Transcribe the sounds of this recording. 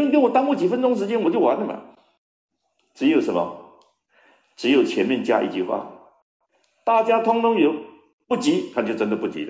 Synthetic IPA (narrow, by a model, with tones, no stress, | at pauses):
ŋk̬e˧˥nwɔ˨˩t̪ɑ˥ŋmu˥˩t͡ɕi˨˩fə˥nʈ͡ʂʊ˥ŋʂ̬ɻ̩˧˥t͡ɕjɛ˥nwɔ˨t͡ɕjo˥˩ʊwa˧˥nlə˧mɐ̰˨˩ | ʈ͡ʂɻ̩˧˥jo˨˩ʊʂə˧˦nmɐ̰˧ | ʈ͡ʂɻ̩˧˥jo˨˩ʊt͡ɕʰjɛ˧˥nmjɛ˥˩nt͡ɕja̰˥ʔḭ˥˧t͡ɕy˥˧xwa̰˥˩ | t̪a˥˩t͡ɕja˥t̪ʰʊ˥ŋt̪ʊ˥ŋjo˧˥ʊ | pu˥˩t͡ɕi˧˥kʰa˥˩˧t͡ɕo˥˧˩ʈ͡ʂə˥nd̪ə˨pu˥˩t͡ɕḭ˧˥lə˧